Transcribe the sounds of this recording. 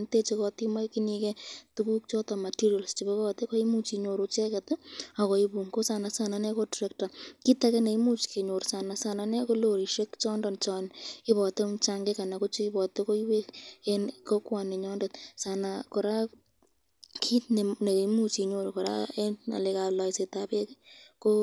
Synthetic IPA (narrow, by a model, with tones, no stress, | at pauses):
nte˦t͡ʃekɔtima˦jki˦ni˧kɛtuku˦k̚t͡ʃɔ˦tɔ˨ma˨tiɾia˨lst͡ʃi˨be˦kɔte˦kɔ˦i˦mu˦t͡ʃi˧ɲo˨ɾot͡ʃɛ˦kɛta˨kɔ˨ibu˨ŋko˦sa˨na˨sanane˦kodɾɛkta˨ki˦ta˦kɛne˨i˦mu˦t͡ʃke˨ɲo˨ɾsa˨na˨sa˨nane˦ko˦loɾi˨ʃe˦kt͡ʃɔ˦ndɔ˨nt͡ʃɔnɪ˦βɔ˨te˦t͡ʃa˦ŋɡe˦ka˨na˨ko˦t͡ʃo˦i˦bɔ˨te˦ko˦i˦we˦kenko˦kwa˨ne˨ɲɔ˦ndet̪sa˨nako˨ɾa˦ | kʰi˦tne˨ne˨ki˦mu˦t͡ʃi˨ɲo˨ɾokɔ˨ɾa̰˦ena̰˨le˨ka˨lɔ˨jse˨tabe˦kko˦